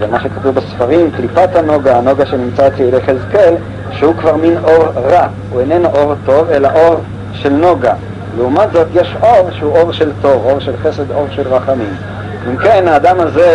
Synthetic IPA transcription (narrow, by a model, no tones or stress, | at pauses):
vemaʃekatubesfaʁimklipathano̞ɡaano̞ɡaʃenimt͡sat͡seilejχezkel | ʃehukvaʁminʔo̞ʁʁa | uenenʔo̞ʁto̞velaʔo̞ʁ | ʃe̞lnoɡa | leumatzo̞t̪jeʃʔo̞ʁʃehuʔo̞ʁʃe̞lto̞vo̞ʁʃelχese̞d̪o̞ʁʃelʁaχamim | imkenhaːdamaze